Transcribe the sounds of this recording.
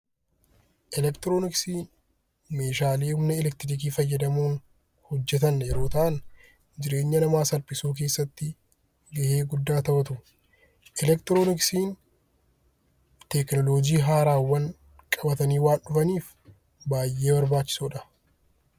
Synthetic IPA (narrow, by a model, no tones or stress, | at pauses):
ʔɛlɛkt̪ɪɾoːnɪksiːn | meːʃaːleːhʊmnɛɛlɛkt̪ɪɾɪk̬iːfɐjːɐd̪ɐmuːn | hɔd͡ʒːɛt̪ɐnjɛɾoːt̪ɐʔɐn | d͡ʒɪɾe̞ːɲːɐnɐmaːsɐlpɪsuːk̬e̞ːsːɐt̪ːɪ | ɡɐheːɡʊd̪ːaːt̪ɐbɐt̪ʊ | ʔɛlɛkt̪ɪɾoːnɪksiːn | t̪ɛknɔloːd͡ʒiːɦaːɾaːwːɐŋ | kʼɐbɐt̪ɐniːwaːnɗʊfɐniːf | baːjʔe̞ːbɐɾbaːt͡ʃːɪ̥suːᶑɐ